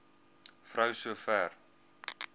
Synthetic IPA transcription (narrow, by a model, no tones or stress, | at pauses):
frœwsuəfɛːr